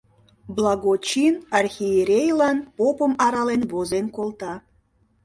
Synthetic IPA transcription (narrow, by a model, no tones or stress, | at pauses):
blˠɑɣot͡ɕinɑrxʲijeɾʲejlˠɑnpopə̆mɑɾɑlenβozenkolˠt̪ɑ